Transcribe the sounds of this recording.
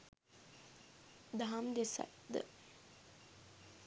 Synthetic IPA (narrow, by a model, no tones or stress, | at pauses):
d̪aɦamd̪esa̰td̪ə̰